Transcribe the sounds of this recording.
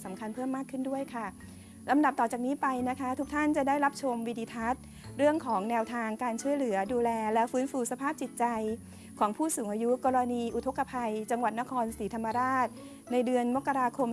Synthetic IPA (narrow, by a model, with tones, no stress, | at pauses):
sa˩˦mkʰa˧npʰɤː˥˩mːaː˥˩kʰːɯ˥˩du˥˩əjkʰa˥˩ | ɾa˧mda˨˩p̚t̪ɔː˨˩t͡ɕaː˨˩k̚niː˦˥pa˧jna˦˥kʰa˦˥t̪ʰu˦˥k̚t̪ʰa˥˩nt͡ɕa˨˩daː˥˩jɾa˦˥p̚t͡ɕʰo˧mwiː˧diː˧t̪ʰa˦˥t̪̚ | ɾɯ˥˩əŋkʰɔː˩˦ŋnɛː˧wt̪ʰaː˧ŋkaː˧nt͡ɕʰu˥˩əjlɯ˩˦ɐduː˧lɛː˧lɛ˦˥wfɯː˦˥nfuː˧sa˧pʰaː˥˩p̚t͡ɕi˨˩t̪̚t͡ɕa˧j | kʰɔː˩˦ŋpʰuː˥˩suː˩˦ŋʔaː˧ju˦˥kɔː˧ɾa˧niː˧ʔu˨˩t̪ʰo˦˥kːa˧pʰa˧jt͡ɕa˧ŋwa˨˩t̪̚na˦˥kʰɔː˧nsiː˩˦t̪ʰa˧mːa˧ɾaː˥˩t̪̚ | na˧jdɯ˧ənmo˦˥kːa˧ɾaː˧kʰo˧m